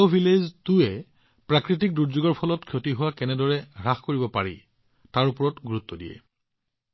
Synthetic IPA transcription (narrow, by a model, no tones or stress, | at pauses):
obʱileztuɛ | pɹakɹit̬ik̚duɹzuɡɔɹpʰɔlɔtkʰjotiɦʊwakɛnɛdɔɹɛɹaxkoɹibɔpaɹi | taɹupɔɹɔtɡuɹut̪ːɔdijɛ̰